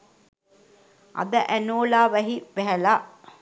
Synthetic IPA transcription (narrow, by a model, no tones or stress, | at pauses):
ɐ̰d̪ɐʔænoːlaːʋæɦiʋɛɦɐlaː